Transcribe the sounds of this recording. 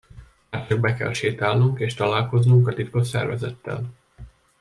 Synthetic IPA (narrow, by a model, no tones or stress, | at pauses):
aːrtøɡbɛkɛ̰lʃeːt̪aːlnuŋkeːʃt̪ɒlaːlko̞znuŋkɒt̪it̪ko̞ʃsɛ̰rvɛzɛt̪ːɛ̰l